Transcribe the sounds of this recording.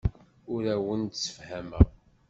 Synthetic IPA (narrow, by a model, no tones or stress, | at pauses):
ʊɾæwənt̪sə̥fhæməʁ